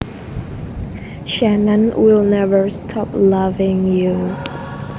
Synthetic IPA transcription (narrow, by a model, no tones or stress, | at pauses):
ʃɛnə̃nwɪlˠnɛvəɹstʰɔp̚lavɪ̃ŋju